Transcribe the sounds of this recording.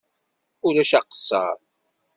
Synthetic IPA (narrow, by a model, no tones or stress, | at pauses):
ʊɾæʃæqə̥sːɑ̰ɾ